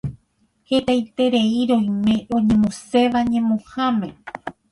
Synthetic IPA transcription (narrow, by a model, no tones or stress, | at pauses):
he̞t̪ajt̪e̞ɾe̞iɾõjmẽ̞ɾõ̞ɲẽmõse̞ʋaɲẽmõhãmẽ